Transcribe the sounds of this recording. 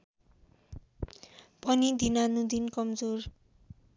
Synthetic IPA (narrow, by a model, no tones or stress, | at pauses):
pʌnid̪inanud̪inkʌmd͡zor